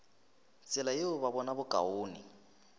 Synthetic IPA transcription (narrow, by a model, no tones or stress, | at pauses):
t͡sɛlajeʊβaβɔnabʊkʼa̰oːni